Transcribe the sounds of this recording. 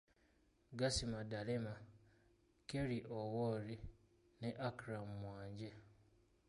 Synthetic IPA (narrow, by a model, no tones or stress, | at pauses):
ɡasimadalema | keɾiʔowoɾi | neʔakiɾamumwaːɲɟe